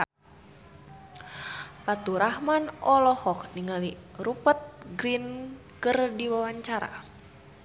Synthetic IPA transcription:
pat̪uɾahmanɔlɔhɔk̚niŋaliɾupət̪̚ɡɾin | kərdiwawaɲt͡ʃaɾa̰

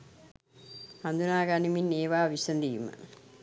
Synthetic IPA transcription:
hɐnd̪unaːɡaniminːeːʋaːʋisɐnd̪ijumɐ̰

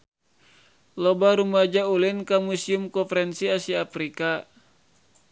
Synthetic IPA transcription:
lɔbaɾumad͡ʒaulinkamusiumkɔfɛɾɛnsiasiafɾika

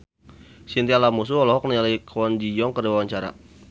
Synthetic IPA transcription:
sint̪ialamus̬uɔlɔɦɔk̚nialakʰɔnd͡ʒijɔŋkərdiwawaɲt͡ʃaɾa̰

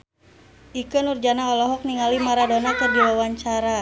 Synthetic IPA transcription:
ʔikənurd͡ʒanaɔlɔɦɔk̚niŋalimaɾadonakɨrdiwawaɲt͡ʃaɾa

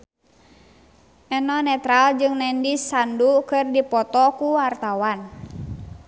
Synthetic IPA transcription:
ʔɛnɔnɛt̪ɾald͡ʒɨŋnɛndisandukɨrdipɔt̪ɔkuart̪awan

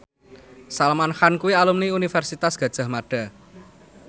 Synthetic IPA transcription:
salamanxankuwialumniunifɛrsit̪asɡ̥ä̤d̥ʒ̥ä̤hmaɖ̥a̤

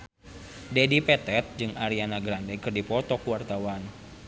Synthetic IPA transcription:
dɛdipɛt̪ɛt̪̚d͡ʒɨŋʔaɾianaɡɾandɛkɨrdipɔt̪ɔkuwart̪awan

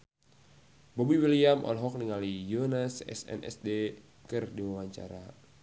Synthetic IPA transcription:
bɔbiwiliamʔɔ̰lɦɔk̚niŋalijonasɛ̰sɛ̰nʔɛ̰sde | kɨrdiwawaɲt͡ʃa̰ɾa

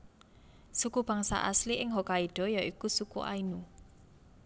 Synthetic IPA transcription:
sukub̥a̤ŋsa̰ʔasliʔɪŋɦokaiɖ̥ɔ̤jaʔikusukṵʔa̰inu

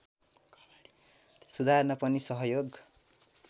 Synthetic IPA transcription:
sud̪ʱarnʌpʌnisʌɦʌjoɡ

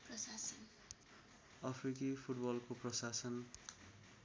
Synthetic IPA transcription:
prʌsasʌn | ʌpʰrikipʰuʈbʌlkoprʌsasʌn

